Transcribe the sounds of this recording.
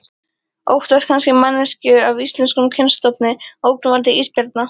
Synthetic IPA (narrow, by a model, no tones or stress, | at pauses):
o̰wht̪askʰanscɪmanːɛscʏavist̪lɛnskʏmcʰɛnst̪ɔp̚nɪowknʏmvaɾt̪ɪʔispɛɾt̪̚na